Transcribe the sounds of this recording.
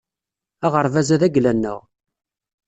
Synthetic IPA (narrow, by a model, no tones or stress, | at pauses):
æʁəɾˤvæzæðæɡlænːə̰ʁ